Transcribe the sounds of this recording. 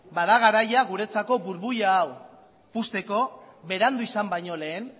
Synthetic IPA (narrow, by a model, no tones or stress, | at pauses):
baðaɣ̞aɾajaɣuɾe̞t͡sako̞βuɾβujaːw | pust̪e̞ko̞βe̞ɾand̪uisambajɲo̞le̞ːn